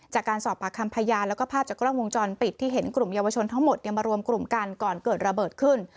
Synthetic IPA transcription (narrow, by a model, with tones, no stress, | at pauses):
t͡ɕaː˨˩kːaː˧nsɔː˨˩pːaː˧˩kʰa˧mpʰaː˧jaː˧nlɛ˦˥kɔː˥˩pʰaː˥˩p̚t͡ɕa˨˩kɾa˥˩ŋwo˧ŋt͡ɕɔː˧npi˨˩t̪ʰːiː˥˩ɦe˩˦nkɾu˨˩mja˧wa˧t͡ɕʰo˧nt̪ʰa˦˥ŋmo˨˩t̪̚ja˧ŋmaː˧ɾu˧əmkɾu˨˩mka˧nkɔː˨˩nkɤː˨˩t̪̚ɾa˧bɤː˨˩t̪̚kʰɯ˥˩n